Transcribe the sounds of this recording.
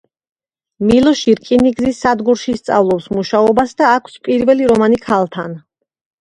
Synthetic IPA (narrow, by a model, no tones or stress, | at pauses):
milˠɔʃiɾkʼiniɡzisːad̪ɡuɾʃist̪sʼa̰vlˠɔpsmuʃaɔbasd̪aːkʷʰspʼiɾvɛliɾɔmanikʰalˠt̪ʰan